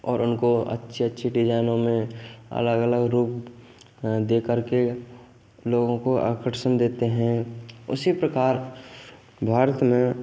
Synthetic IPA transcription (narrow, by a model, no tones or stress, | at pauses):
ɔːɾʊnkoɐ̰tːʃʰeətːʃʰiʈid͡ʒaːɪnõmẽə̰ləɡələɡɾuːp̚ | d̪eːkəɾke | loːɡõkoʔa̰ːkəʈʃəmd̪eːt̪eɦɛ̃ʊsipɾəkaːɾ | bʱaːɾət̪mẽ